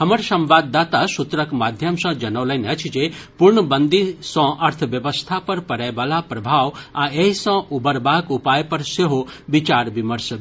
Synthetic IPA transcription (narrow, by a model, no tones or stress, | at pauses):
həməɾsɐmʋaːd̪ːaːt̪asut̪ɾəkmad̪ʱjəmsɔ̃d͡ʒɐnɐʋləjneət͡ʃʰid͡ʒepuɾɳəbənd̪isɔ̃ʔɐɾt̪ʰəʋjəʋəst̪ʰapɐɾpɐɾɛjʋalapɾɐbʱaʋaeɦisɔ̃ʔubəɾbaːkupaːjpɐɾseɦobit͡ʃaɾbiməɾsə